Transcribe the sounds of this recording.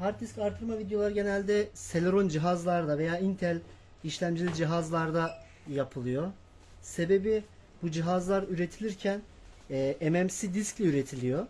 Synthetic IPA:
haɾt̪ːiscaɾt̪ʰɯɾmavid̪jo̞lˠaɾɯɟe̞nælʲd̪ɛselʲɾo̞nd͡ʒiɦazlˠaɾd̪ave̞jaːint̪ʰɛælʲ | iʃlʲæmd͡ʒilʲid͡ʒiɦazlˠaɾd̪a | japʰɯlˠɯjo̞ | se̞be̞bi | bud͡ʒiɦazlˠaɾyɾe̞t̪ʰilʲiɾcʰænː | ɛmɛmsid̪isclʲɛyɾe̞t̪ʰilʲijo̞

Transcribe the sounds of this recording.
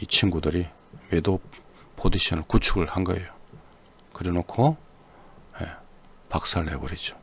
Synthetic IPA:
it͡ɕʰinɡudɯɾi | medo | pʰod͡ʑiɕʰʌnɯɭkut͡ɕʰuɡɯɭhanɡʌejo | kɯɾinokʰo | jḛ | pak̚s͈aɾɭɦḛbʌɾid͡ʑo̥

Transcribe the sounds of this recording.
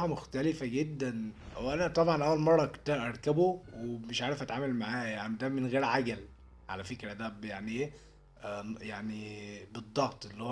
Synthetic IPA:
ɑmoxt̪ælefæɡed̪ːænwʔænæt̪ˤɑbʕɑnʔæwːælmɑrˤːɑkt̪ːæʔɑɾˤkæbowemeʃʕaːɾefʔæt̪ʕaːmælmaʕaːhæjaʕnid̪æmenɣeːɾʕaɡæl | ʕa̰læfekɾæd̪æbjaʕniʔeː | jaʕnibed̪ˤːɑɣt̪ˤʔelːihow

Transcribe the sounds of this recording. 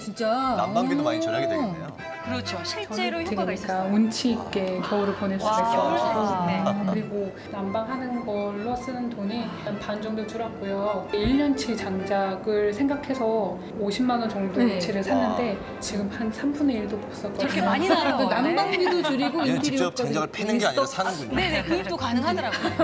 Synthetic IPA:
t͡ɕint͡ɕ͈aa | kɯɾt͡ɕʰot͡ɕʌitʰeɡɲik͈aunt͡ɕʰik͈e̞kjʌuɾopones͈ues͈ʌɡoekɯɾiɡo | nambaŋɦanɯnɡʌɭːos͈ɯnɯntoɲi | npand͡ʑʌŋdot͡ɕ͈uɾak͈ujoiɭːʌnt͡ɕʰiɭt͡ɕaŋd͡ʑaɡɯɭsʰe̞ŋɡakʰe̞sʰʌ | oɕʰimːanʌnt͡ɕʌŋdout͡ɕʰiɾɯɭsʰanːɯnde̞ | t͡ɕiɡɯmhansʰambune̞iɭdopoks͈ʌt̚k͈ʌd͡ʑoonambaŋɡidot͡ɕuɾiɡointʰiɾit͡ɕ͈ʌɡɲ | eekɯokanɯŋɦaʌɾa

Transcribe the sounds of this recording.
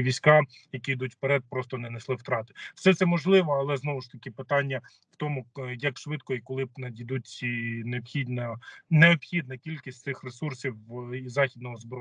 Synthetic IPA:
ʋʲisʲkɑ | jɐkʲijd̪utʲw̥peɾɛd̪̚pɾɔst̪ɔnɛneslˠɪwt̪ɾɑt̪ɪ̥wsɛt̪sɛmɔʒlˠɪʋɔɐlˠɛznɔʋʊʃt̪ɐkʲɪpɪt̪ɑnʲːɐ | w̥t̪ɔmʊjɐkʃʋɪd̪kɔikɔlˠɪbnɐd̪ʲid̪ut͡sʲineɔpxʲid̪ʲnɐneɔbxʲid̪nɐkʲilʲkʲi̥sʲtʲtsɪxresursʲiwizɑxʲid̪nɔɦɔzbɾɔ

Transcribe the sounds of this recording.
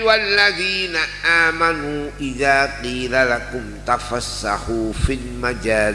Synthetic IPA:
walːaðiːnaʔaːmanuːʔɪðaːqiːlalakʊmt̪afasːa̰ħuːfilmad͡ʒaːl

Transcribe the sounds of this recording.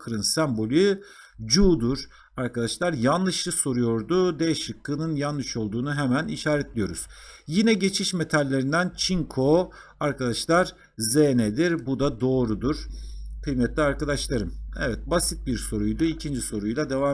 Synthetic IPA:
kʰɯɾɯnsæmbo̞lʲy | d͡ʒuːd̪uɾ̥ | aɾkad̪aʃlˠaɾjanlˠɯʃlˠɯso̞ɾujo̞ɾd̪ud̪eʃɯkʰːɯnɯnjanːɯʃo̞lˠd̪uːnuɦemæniʃaːɾɛt̪lʲijo̞ɾuz̥jinɛɟe̞t͡ʃʰiʃme̞t̪ʰalʲːe̞ɾind̪ænt͡ʃʰiŋkʰo̞ | aɾkad̪aʃlˠaɾ | zened̪iɾbud̪ad̪o̞ːɾud̪uɾ̥kʰɯjmɛt̪lʲiaɾkad̪aʃlˠaɾɯmevɛt̪̚basit̪̚biɾso̞ɾujd̪uilcʰind͡ʒiso̞ɾujlˠad̪e̞vaː

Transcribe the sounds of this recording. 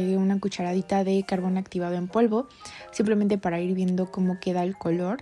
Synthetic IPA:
eunakut͡ʃaɾaðit̪aðe̞kaɾβo̞nakt̪iβ̞að̞oe̞mpo̞lβo̞ | simple̞mẽ̞nt̪e̞paɾaiɾβje̞nd̪o̞ko̞mo̞ke̞ðaelko̞lo̞ɾ

